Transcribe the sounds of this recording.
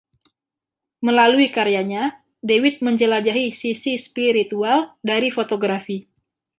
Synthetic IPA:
məlaluikaɾijaɲa | dewɪt̪̚məɲd͡ʒəlad͡ʒaɦisisispiɾit̪ualdaɾifot̪oɡɾafi

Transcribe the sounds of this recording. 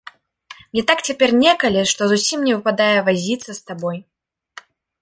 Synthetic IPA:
mnʲɛt̪akt͡sʲapʲɛrnʲɛkɐlʲiʂt̪ɔzusʲimnʲɛvɨpad̪ajɛvazʲit̪sɐst̪abɔj

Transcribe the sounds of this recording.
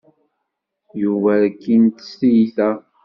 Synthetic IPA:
juvæɾkːint̪sijθæ

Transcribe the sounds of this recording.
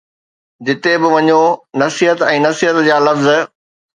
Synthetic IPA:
d͡ʑɪt̪ebɪʋɐɲonɐsiːɦət̪ɛ̃ːnɐsiɦət̪d͡ʑaːlɐfz

